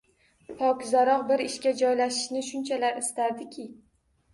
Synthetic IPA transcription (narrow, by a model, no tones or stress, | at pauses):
pʰɒkʲzaɾɒqbɪɾɪʃkʲad͡ʒɒjlaʃɪ̥ʃnɪʃʊnt͡ʃʰalaɾɪst̪aɾd̪ɪkʲʰɪ